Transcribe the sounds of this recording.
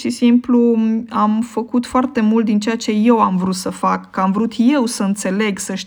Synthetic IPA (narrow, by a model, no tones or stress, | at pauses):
ʃisimpluamfəkut̪foart̪e̞mult̪̚d̪int͡ʃe̞at͡ʃe̞je̞wamvɾut̪səfakːəamvɾut̪je̞wsəɨnt̪se̞le̞ɡsəʃ